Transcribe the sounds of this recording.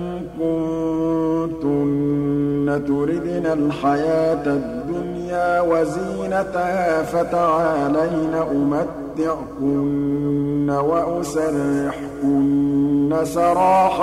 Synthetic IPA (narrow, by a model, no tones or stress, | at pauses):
kʊn | t̪ʊnː | at̪ʊɾɪd̪nalħajaːt̪ad̪ːʊnjaːwaziːnat̪haːfat̪aʕalajnaʔʊmat̪ːɪʕkʊnː | awaʔʊsarːɪħkʊnːasɑɾˤɑːħa